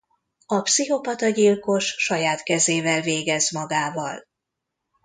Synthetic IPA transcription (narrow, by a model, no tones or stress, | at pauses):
ɒpsiɦo̞pɒt̪ɒɟilko̞ʃʃɒjaːt̪kɛzeːvɛlveːɡɛzmɒɡaːvɒl